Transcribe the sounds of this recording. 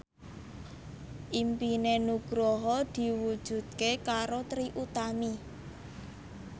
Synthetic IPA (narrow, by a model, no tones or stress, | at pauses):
ʔimpinenuɡ̥ɾɔɦɔd̪̥i̤wud̥ʒ̥ṳd̪̥̚kekaɾot̪ɾiʔut̪ami